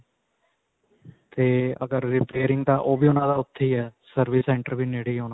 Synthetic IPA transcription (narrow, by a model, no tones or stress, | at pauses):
t̪eːə̰ɡəɾːɪpeːɾɪŋɡ̚d̪aːʔoːbiːʊːnãːd̪aːʊt̪ʰːiːɛːsəɾʋiːsɛ̃ːɳʈəɾʋiːneːɽiːɦoːnaː